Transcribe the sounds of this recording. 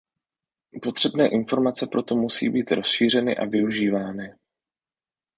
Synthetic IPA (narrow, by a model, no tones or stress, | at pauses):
po̞t̪r̝̥ɛbnɛːʔɪnfo̞ɾmat͡sɛpɾo̞t̪o̞musḭːbiːt̪ɾo̞sʃiːr̝ɛnɪ̰ʔa̰vɪuʒiːvaːnɪ